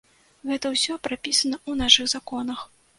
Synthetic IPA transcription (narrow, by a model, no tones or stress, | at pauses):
ɣɛt̪ɐwsʲɔpɾapʲisɐnɐunaʂɨɣzakɔnɐx